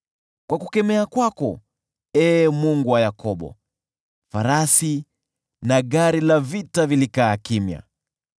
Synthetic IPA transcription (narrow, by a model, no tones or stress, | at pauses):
kwakukɛmɛakwakɔ | ɛːmuŋɡuwajakʰɔɓɔ̰ | faɾasi | naɠaɾilavitavilikaːkimja̰